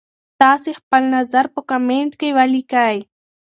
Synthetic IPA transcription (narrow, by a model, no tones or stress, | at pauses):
t̪ɑːsexpəlnazaɾpəkameɳʈkewalikaj